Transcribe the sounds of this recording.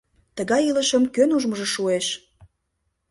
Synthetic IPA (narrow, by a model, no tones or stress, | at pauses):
t̪əɣɑjiləʃəmkønuʒməʒə̆ʃueʃ